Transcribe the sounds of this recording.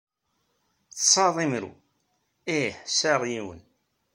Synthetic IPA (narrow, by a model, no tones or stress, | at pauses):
t͡ssˤɑðˤimɾṵ | iħsæʁjiwə̰n